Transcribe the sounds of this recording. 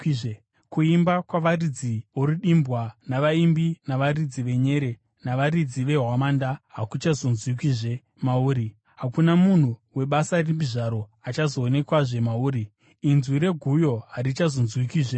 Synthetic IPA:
kiʐe | kuimbakwaʋarid͡zioruɗimbwanaʋaimbinaʋarid͡ziʋe̞ɲe̞ɾe̞ | naʋaɾid͡ziʋe̞ɦwamaːndaɦakut͡ʃazo̞nzwikiʐe | mauːɾi | ɦakunamun̤uwe̞ɓasarimbiʐaɾo̞at͡ʃazoːne̞kwaʐe̞mauːɾi | inzwiɾe̞ɡʱujo̞ɦaɾit͡ʃazonzwikiːʐe

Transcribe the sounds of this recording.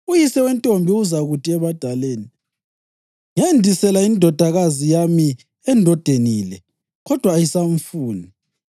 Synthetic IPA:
ujisɛwɛntʼombʱiuzaɣutʼiɛβad̥ʱaleːni | ŋendʱisɛlaindʱɔd̥ʱaɣazijami | ɛndʱɔd̥ʱenilɛ | ɣɔd̥ʱwaːjisaɱfuːni

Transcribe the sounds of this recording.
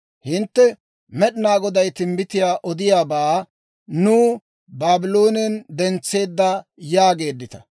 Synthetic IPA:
hɪnt̪ːɛ | mɛɗɪnaːɡɔd̪ɐjt̪ɪmbɪt̪ɪjaːʔɔd̪ɪjaːbaː | nuː | baːbɪlo̞ːnɛnd̪ɛnt͡sːe̞ːd̪ːɐjaːɡe̞ːd̪ːɪt̪ɐ̥

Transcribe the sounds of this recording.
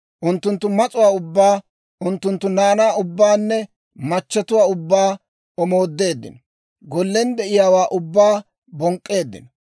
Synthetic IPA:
ʔʊnt̪ːʊnt̪ːʊmɐt͡sʼʊwaːʊbːaː | ʔʊnt̪ːʊnt̪ːʊnaːnaːʊbːaːnːɛ | mɐt͡ʃːɐt̪ʊwaːʊbːaː | ɔmo̞ːd̪ːe̞ːd̪ːɪ̰nɔ | ɡɔlːɛnd̪ɛʔɪjaːwaːʔʊbːaː | bɔŋkʼːe̞ːd̪ːɪ̰nɔ

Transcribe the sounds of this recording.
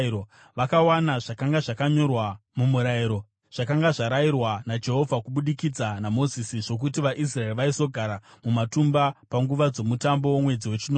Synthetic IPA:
o | ʋakawanaʐakaŋɡaʐakaɲo̞rwamumuɾaiɾo̞ | ʐ̥akaŋɡaʐaɾajirwanad͡ʒe̞ɦo̞vʱakuɓuɗikid͡zanamo̞zisiʐo̞k̬utiʋaʔis̬raeriʋaiso̞ɡʱaɾamumatumbapaŋɡuʋad͡zo̞mutambo̞womwe̞d͡ziwe̞t͡ʃinoː

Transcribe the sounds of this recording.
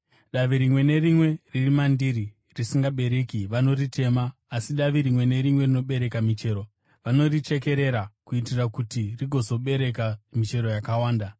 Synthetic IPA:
ɗaʋiɾimwe̞ne̞rimwe̞ririmandiri | risiŋɡaɓe̞ɾekiʋano̞ritʰe̞maː | siɗaʋiɾimwe̞ne̞ɾimwe̞rino̞ɓe̞ɾe̞kamit͡ʃe̞ːɾo̞ | ʋano̞rit͡ʃe̞ke̞ɾe̞ɾakuitirakutiriɡʱo̞zo̞ɓe̞ɾe̞kamit͡ʃe̞ɾo̞jakawaːnda

